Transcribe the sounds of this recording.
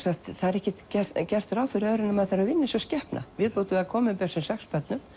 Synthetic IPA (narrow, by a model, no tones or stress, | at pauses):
saht̪θaðɛɾɛhcɪcɛ̥cɛr̥t̪ɾaːwfɪɾɪœðɾɪnːamɛðθaɾavɪnːɪsɔscɛhpnʔa̰vɪðpoːt̪ʏvɪakʰɔːmɪpɛ̥sɪsɛxspœt̪nʏm